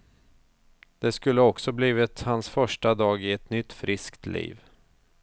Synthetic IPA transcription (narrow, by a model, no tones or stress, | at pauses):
d̪̥ɛskɵlːəɔksɔbliːvɪt̪hansfœʂʈad̪ɑːɡɪɛt̪nʏt̪ːfɾɪskt̪lḭːv